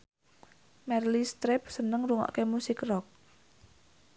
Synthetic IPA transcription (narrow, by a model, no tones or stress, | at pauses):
mɛrlist̪ɾɪp̚sənəŋɾuŋɔ̰ʔkemusɪkrɔk̚